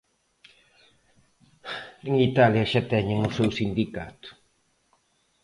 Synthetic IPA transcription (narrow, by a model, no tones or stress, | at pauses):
eŋit̪aljaʃat̪ɛɲeŋusɛwsind̪ikat̪u̥